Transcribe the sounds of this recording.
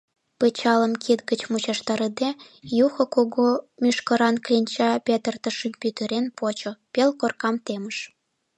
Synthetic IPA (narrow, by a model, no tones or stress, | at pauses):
pət͡ɕɑləmkʰit̪ɡət͡ɕmut͡ɕɑʃt̪ɑɾəd̪e | juxŏkoɣomʲyʃkə̆ɾɑnklʲinʲt͡ɕɑpʲet̪ərt̪əʃəmpʲyt̪əɾenpot͡ɕopelkorkɑmt̪eməʃ